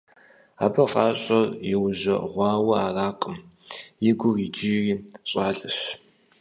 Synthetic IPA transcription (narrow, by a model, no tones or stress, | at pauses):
a̰ːbɐfaːɕʼɐrjɪwʑɐ̰ʁʷɑːwɐaːraːqəmjɪɡʷʊriːd͡ʒiːriːɕʼaːɮʼɨɕ